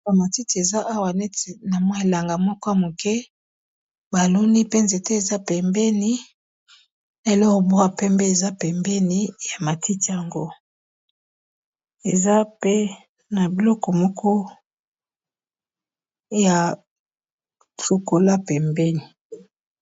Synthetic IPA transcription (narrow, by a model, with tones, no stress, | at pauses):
a˨ma˨ti˦ti˨e˨za˦ʔa˦wa˨nɛ˦te˨na˨mwa˦e˨la˨ŋɡa˨mɔ˦kɔ˦ja˨mo˨kɛ˦ | ba˨lo˦ni˦pe˦nze˨te˦e˨za˦pɛ˨mbɛ˦ni˦ | na˨e˨lɔ˦ko˨bu˦a˦˨pɛ˦mbe˦e˨za˦pɛ˨mbɛ˦ni˦ja˨ma˨tʰi˦ti˨ja˨ŋɡo˦ | e˨za˦pe˦ | na˨bi˨lɔ˦kɔ˨mɔ˦kʰɔ˦ | ja˨ | so˨ko˨la˦pɛ˨mbɛ˦ni˨